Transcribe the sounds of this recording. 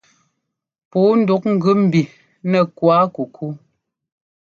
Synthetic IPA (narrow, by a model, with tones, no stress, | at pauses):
puː˨˦n̩˦˨du˨˦k̚ŋ̩˨ɡʉ˦m̩˨bi˨ | nɛ˨kwa˨˦ku˨kʰu˦